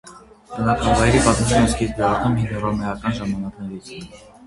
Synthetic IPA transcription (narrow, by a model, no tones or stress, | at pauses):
t̪ənɑkʰɑvɑjɛɾipɑt̪mt͡ʃʰinɔskʰiɾd̪ɛɑɾnuminːɔrɑmɛɑkɑnʒɑmɑnɑknɛɾut͡sʰjun